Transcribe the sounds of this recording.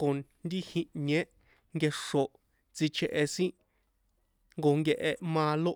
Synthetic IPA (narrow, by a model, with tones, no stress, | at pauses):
ko˨nd̪i˦hĩ˧ɲẽ˦ | ŋɡe˧ʂo˨ | t͡si˧t͡ʃʰe˧˨ʔe˧sĩ˦ | ŋɡo˧ŋɡe˧ʔe˧mãː˧lo˦